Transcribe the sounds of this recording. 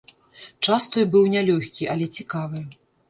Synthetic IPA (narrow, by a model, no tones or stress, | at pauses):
t͡ʂast̪ɔjbɨwnʲalʲɔxʲkʲiʔɐlʲɛt͡sʲikavɨ